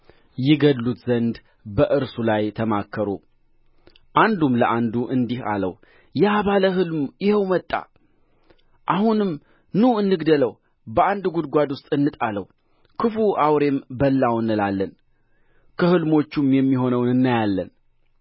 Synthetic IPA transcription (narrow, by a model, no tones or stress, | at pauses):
jɪɡədːut̪zənd̪ | bəʔɨɾsulajt̪ʰəmakʰːəɾo̰ | ʔand̪umləʔand̪uʔɨnd̪iha̰lə̰w | jaβaləɦɨlmjɪhɛwmət̪ʼːa̰ | ʔahunɨm | nuɨnːɨɡd̪ələw | bəand̪ɡud̪ɡʷad̪wʊst̪ʼɨnːɨt̪ʼaləw | kʰɨfuawɾe̞mbəlːawnɨlalːən | kʰəhɨlmo̞t͡ʃːumjɛmːiɦo̞nəwɨnːajalːə̰n